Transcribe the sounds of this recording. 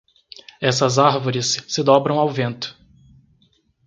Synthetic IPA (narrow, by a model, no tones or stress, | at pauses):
ɛsɐzaɾvoɾɪsːɪd̪ɔbɾɐ̃w̃awvẽnt̪ʊ̥